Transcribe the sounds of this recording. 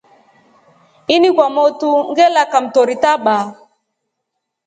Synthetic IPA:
inikwamɔtuŋ̩ɡɛlakam̩tɔɾitaɓaː

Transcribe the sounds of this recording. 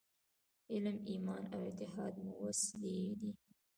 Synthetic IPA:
ɪlmimɑnawɪt̪ɪɦɑd̪mʊwasled̪i

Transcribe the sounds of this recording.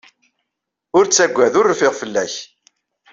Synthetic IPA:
ʊɾt͡sːæɡʷːæðʊrːfɪʁfəlːæç

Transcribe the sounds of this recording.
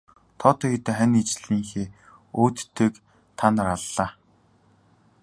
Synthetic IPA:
t̪ʰɔːt̪ɔːxit̪ĕχænit͡ɕɮiːŋxeː | oːt̪t̪ːeːk | t̪ʰanə̆raɮːaː

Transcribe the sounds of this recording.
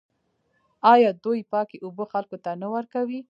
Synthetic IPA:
ɑjɑd̪ojpɑkeʔoboxalkot̪anawaɾkawi

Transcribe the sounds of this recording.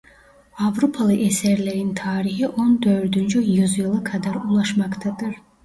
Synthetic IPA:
avɾopʰalˠɯʔɛsɛɾlʲɛɾint̪ʰaːɾihiʔond̪øɾd̪ynd͡ʒyjɯzjɯlˠɯkʰad̪æɾulˠɑʃmɑkt̪ʰad̪ɯɾ

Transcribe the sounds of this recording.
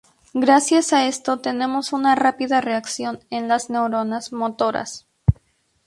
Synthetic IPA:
ɡɾasjasae̞st̪o̞t̪e̞ne̞mo̞sunarapiðare̞aksjo̞ne̞nlazne̞wɾo̞nazmo̞t̪o̞ɾa̰s

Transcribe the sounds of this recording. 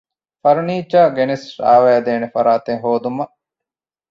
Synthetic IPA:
fɐɾniːt͡ʃaːɡenesɾa̰ːʋæːd̪eːnefɐɾaːt̪eŋɦoːd̪umɐ

